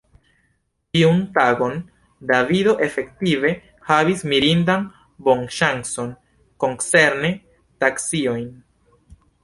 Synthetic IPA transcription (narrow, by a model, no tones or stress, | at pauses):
tiuntaɡo̞n | davido̞ʔe̞fe̞ktive̞ | havismiɾindan | bo̞nʃaŋso̞n | ko̞ŋse̞ɾne | taksio̞jn